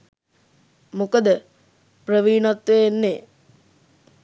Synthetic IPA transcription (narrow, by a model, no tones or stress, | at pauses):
mukəd̪ə | prəʋiːnat̪ʋejenːeː